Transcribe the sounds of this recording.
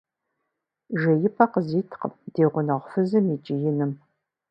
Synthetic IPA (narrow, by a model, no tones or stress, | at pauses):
ʒɐjɪpʰɐqəziːtʰqə̰md̥eːʁʷʊnɐʁʷfɨzɨmid͡ʒʼɪjɪnɨm